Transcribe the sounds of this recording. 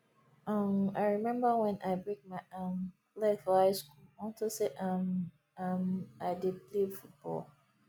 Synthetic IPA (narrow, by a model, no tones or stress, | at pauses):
ʔʌmaɪɹimɛ̃mbəwɛ̃nʔaɪbɹek̚maɪʔʌ̃m | lɛkaɪskulɔ̃ntoseʔʌ̃m | amaɪdid̚plivfut̚b̥ɔ̰l